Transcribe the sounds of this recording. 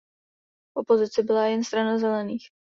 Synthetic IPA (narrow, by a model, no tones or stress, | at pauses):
ʔʔopo̞zɪt͡sɪbɪlajɛnst̪ɾanazɛlɛniːx